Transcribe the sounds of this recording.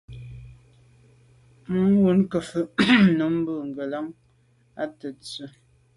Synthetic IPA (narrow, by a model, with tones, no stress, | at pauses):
m̩˦wu˦nkə˨fə˨nə˨˦m̩˦bə˦˨ŋ̩˨ɡə˨la˨˦ŋ | a˦tə˨t͡sə˨˦